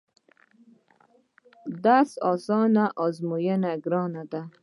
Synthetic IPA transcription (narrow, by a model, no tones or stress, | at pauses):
d̪asɔːsɔːnaʔɔzmujenaɡɾɔːnad̪a